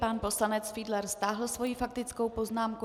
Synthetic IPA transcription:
panpo̞slanɛt͡sfiːdlɛɾst̪aːɦl̩svo̞jifak̚t̪ɪt͡sko̞wpo̞znaːmku

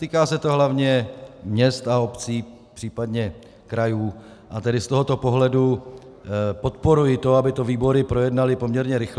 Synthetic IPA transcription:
t̪iːkaːsɛt̪o̞ɦlavɲɛmɲɛst̪ao̞pt͡siː | pr̝̥iːpadɲɛ | kɾajuː | ʔat̪ɛdɪst̪o̞ɦo̞t̪o̞po̞ɦlɛdu | po̞t̪po̞ɾujɪt̪o̞abɪt̪o̞viːbo̞ɾɪpɾo̞jɛdnalɪpo̞mɲɛɾɲɛɾɪx

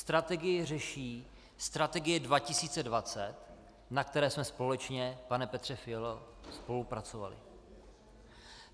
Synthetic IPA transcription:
st̪ɾat̪ɛɡɪjɪr̝ɛʃiː | st̪ɾat̪ɛɡɪjɛdvacɪsiːt͡sɛdvat͡sɛt̪ | nakt̪ɛɾɛːsmɛspo̞lɛt͡ʃɲɛpanɛpɛt̪r̥ɛfɪɛlospo̞lupɾat͡so̞va̰lɪ̰

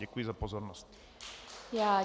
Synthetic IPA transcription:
ɛkujizapozoɾnost̪ | jaː

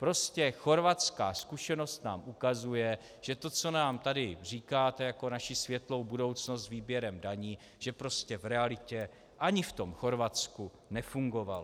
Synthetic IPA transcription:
pɾo̞scɛxo̞ɾvat͡ska̰ːskuʃɛno̞st̪na̰ːmʔukazujɛ | ʒ̥ɛt̪o̞t͡so̞naːmt̪adɪr̝iːkaːt̪ɛjako̞naʃisvjɛt̪lo̞wbudo̞wt͡snost̪zviːbjɛɾɛmdaɲiː | ʒ̥ɛpɾo̞scɛvɾɛalɪcɛ | ʔaɲɪft̪o̞mxo̞ɾvat͡sku | nɛfuŋɡo̞val

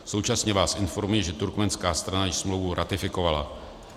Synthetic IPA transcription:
so̞wt͡ʃasɲɛvaːsʔɪnfo̞ɾmujɛʒɛt̪uɾkmɛnskaːst̪ɾanajɪʃsmlowvuɾʔat̪ɪfɪko̞vala̰

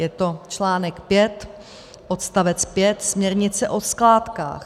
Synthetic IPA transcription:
jɛt̪o̞t͡ʃlaːnɛkpjɛt̪ | ʔot̪st̪avɛt͡spjɛt̪smɲɛɾɲɪt͡sɛʔo̞sklaːt̪ka̰ːx

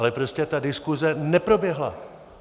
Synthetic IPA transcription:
lɛpɾo̞scɛt̪adɪskuzɛnɛpɾo̞bjɛɦla̰

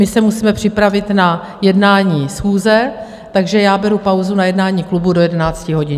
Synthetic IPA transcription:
mɪsɛmusiːmɛpr̝̥ɪpɾavɪt̪na | jɛdnaːɲiːsxuːzɛ | t̪aɡʒɛjaːbɛɾupawzunajɛdnaːɲiːklubudo̞jɛdɛnaːt͡scɪɦo̞ɟɪn

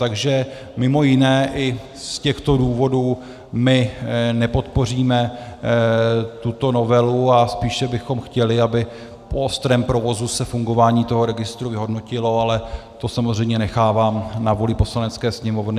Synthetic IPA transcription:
t̪aɡʒɛ | mɪmo̞jɪnɛːʔɪ | scɛxt̪o̞duːvo̞duː | mɪnɛpo̞t̪po̞r̝iːmɛ | t̪ut̪o̞no̞vɛluaspiːʃɛbɪxo̞mxcɛlɪabɪ | poost̪ɾɛːmpɾo̞vo̞zusɛfuŋɡo̞vaːɲiːt̪o̞ɦo̞ɾɛɡɪst̪ɾuvɪɦo̞dno̞cɪlo̞alɛt̪o̞samozrɛjmɲɛnɛxaːvaːmnavolɪpo̞slanɛt͡skɛːsɲɛmo̞vnɪ

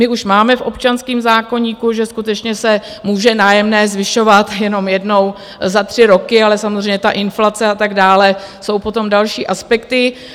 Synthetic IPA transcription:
mɪʔuʃmaːmɛfʔo̞pt͡ʃanskiːmzaːko̞ɲiːkuʒɛskut̪ɛt͡ʃɲɛsɛ | muːʒɛnaːjɛmnɛːzvɪʃo̞vat̪jɛno̞mjɛdno̞w | zat̪r̝̥ɪɾo̞kɪalɛsamozr̝eɛjɲɛt̪aʔɪnflat͡sɛat̪aɡdaːlɛ | so̞wpo̞t̪o̞mdalʃiːʔaspɛkt̪ɪ

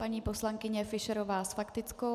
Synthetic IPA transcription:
paɲiːpo̞slaŋkɪɲɛfɪʃɛɾovaːsfakt̪ɪt͡sko

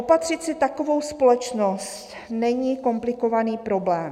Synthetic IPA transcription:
ʔopat̪r̥ɪt̪sɪt̪ako̞vo̞wspo̞lɛt͡ʃno̞st̪ | nɛɲiːko̞mplɪko̞vaniːpɾo̞blɛːm

